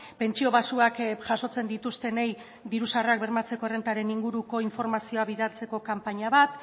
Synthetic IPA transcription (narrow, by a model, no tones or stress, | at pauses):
pe̞nt͡ʃio̞βasuakʝaso̞t͡se̞nd̪it̪ust̪e̞nej | d̪iɾusareak̚be̞ɾmat͡se̞koe̞re̞nt̪aɾe̞niŋɡuɾuko̞iɱfo̞ɾmasio̞aβiðalt͡se̞ko̞kampaɲaβat̪